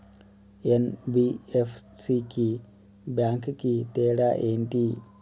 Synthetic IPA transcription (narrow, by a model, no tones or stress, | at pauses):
enbiefsiki | baŋkkit̪eːɽaʔent̪i